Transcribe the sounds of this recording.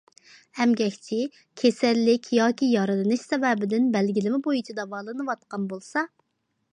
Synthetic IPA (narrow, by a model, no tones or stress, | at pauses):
hɛmɡʲɛkʲt͡ʃʰɪ | kʲʰesællːɪkʲʰjɑːkʲijɑɾɨd̪ɨnɨʃsɛvɛbɪd̪ɪnbælɡʲilɪmɪbojit͡ʃʰid̪ɑvɑːlˠɨnɨwɑt̪̚qɑnbolˠsɑ